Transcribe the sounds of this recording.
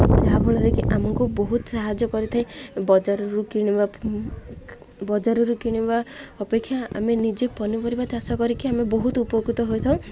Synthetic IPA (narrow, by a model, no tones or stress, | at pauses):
d͡ʒaɦapɔɽ̃ɔɾekiʔamɔŋkubɔɦut̪ɔsaɦad͡ʒɔkɔɾit̪ʰaĩbɔd͡ʒaɾɔɾukiɽ̃iba | bɔd͡ʒaɾɔɾukiɽ̃ibaɔpekʰːjaa̰menid͡ʒepɔnipɔɾibat͡ʃasɔkɔɾikiamebɔɦut̪upɔɾkit̪ɔɦojt̪ʰɔ̃